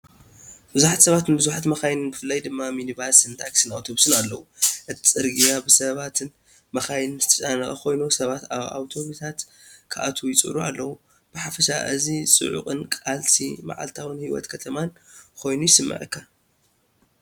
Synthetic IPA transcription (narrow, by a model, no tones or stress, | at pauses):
bɨzuħat̪sɐβat̪nbɨzuħat̪mɐxajnɨnbɨfɨlːajd̪ɨmːaminiβaɾsɨnt̪ʰaksɨnawt̪ʰoβsɨnalːɐwuʔɨt̪ʰi̥t͡sʼɨɾɡijabɨsɐβat̪ʰɨn | mɐxajnɨnzɨt̪ʰɐ̥t͡sʼanɐxʼɐ̰kʰo̞jnusɐβat̪aβa̰wt̪ʰo̞βit̪ʰat̪ | kʰɨʔat̪ʰujɪt͡sʼɨ̰ɾua̰lːɐwu | b̥ɨħafɐʃa̰ʔɨzisʼɨ̰ʕṵkʼɨnkʼalsʰḭma̰ʕa̰lt̪ʰawɨnhiwɔ̰t̪kʰɐt̪ʰɐmankʰo̞jnujɪsɨmːɐ̰ʕɨ̰kʰːa